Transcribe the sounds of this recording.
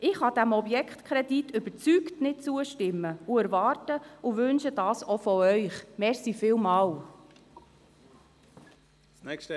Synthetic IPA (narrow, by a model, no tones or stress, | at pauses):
ʔɪχhɑd̥æmɔbjɛkχt̪kʰɾɛditʏb̥əɾt͡syktnɪt̚t͡suəʃtɪmːəuæɾʋɑːrtəuʋɵnʃəd̥ɑːsɔfɔœʏχmɛɾsifɪːlmɑːl | ɛ